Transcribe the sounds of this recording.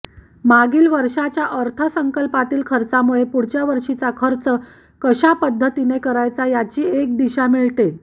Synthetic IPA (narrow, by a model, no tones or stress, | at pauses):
maɡiːlʋəɾʂat͡ɕjaʔəɾt̪ʰəsəŋkəlpat̪iːlkʰəɾt͡samuɭepuɽ̤t͡ɕjaʋəɾʂit͡sakʰəɾt͡sə | kəɕapəd̪ʱːət̪inekəɾajt͡sajat͡ɕiːek̚d̪iɕamiɭt̪e